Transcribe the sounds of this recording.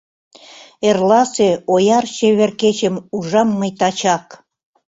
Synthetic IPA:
erlɑseojɑrɕeβerket͡ɕə̆muʒɑmːəjt̪ɑt͡ɕɑk

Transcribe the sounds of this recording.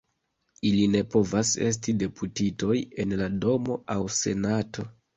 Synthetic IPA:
iline̞po̞vase̞s̬tide̞putito̞je̞nlado̞mo̞awse̞̰natʰo̞

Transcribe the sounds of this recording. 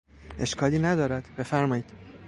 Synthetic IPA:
e̞ʃkʰɒːliːnæd̪ɒːɾæd̪̥b̥e̞fæɾmɒːiːd̪̥

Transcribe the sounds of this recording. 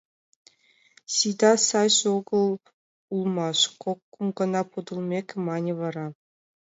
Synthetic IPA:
ɕid̪ɑsɑjɕoɡɤ̆lˠ | ulˠmɑʂkokːumɡɤ̆nɑpud̪ɤ̆lˠmʲekʲmɑnʲɤ̆ʋɑɾɑ

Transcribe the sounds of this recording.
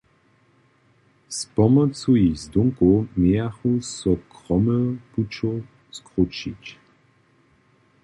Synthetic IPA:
spɔmɔt͡suizd̪uŋkomejaxusɔkʁɔməput͡ʃɔ | skʁut͡ʃic

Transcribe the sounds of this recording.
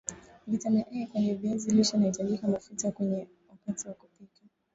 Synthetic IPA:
vitamaʔɛkwaɲɛviɛzilɔt͡ʃanahitaʄikamafutakwɛɲɛ | wapatiwakupika

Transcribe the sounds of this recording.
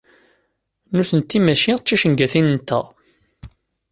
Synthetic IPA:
nuθənt̪ːimæʃiʁt͡ʃːiʃənɡæθinnt̪ːæ̰ʁ

